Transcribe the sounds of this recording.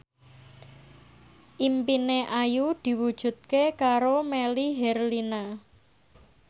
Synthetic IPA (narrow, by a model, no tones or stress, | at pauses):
ʔimpineʔajud̪̥i̤wud̥ʒ̥ṳt̪̚kekaɾomeliɦɛrlina